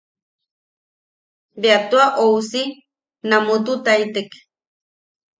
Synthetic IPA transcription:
beat̪uaʔowsi | namʊt̪ut̪ajt̪ek

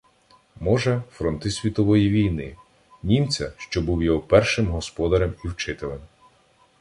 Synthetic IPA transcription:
mɔʒɛfɾɔnt̪ɪsʲʋʲit̪ɔʋɔjiʋʲijnɪ | nʲimt͡sʲɐʃt͡ʃɔbuwjɔɦɔpɛrʃɪmɦɔspɔd̪ɐɾɛmiwt͡ʃɪt̪ɪlˠem

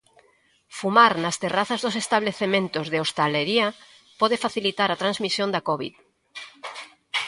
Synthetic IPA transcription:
fumaɾnɐst̪eraθazðosest̪aβ̞leθemẽnt̪ozðeost̪aleɾiɐ | pɔðefaθilit̪aɾat̪ɾanzmisjond̪akɔβḭð

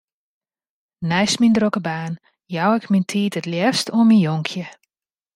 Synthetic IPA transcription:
nɛjsmindrokəbaːn | jawɪkmintʰiːtətljɛstoəminjoŋkʰjə

